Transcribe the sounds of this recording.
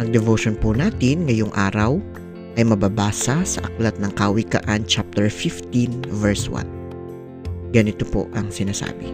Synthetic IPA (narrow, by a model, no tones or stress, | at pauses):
ɐŋd̪ɛvoʃonpʊnaːt̪ɪnŋɐjoŋʔaːɾɐw | ʔɐjmɐbabaːsɐsɐʔɐklɐt̪̚nɐŋkaːwikɐ̰ʔant͡ʃap̚t̪ɛɹfift̪invɛɹswa̰n | ɡɐnɪt̪opo̰ʔɐŋsɪnasa̰ːbɪ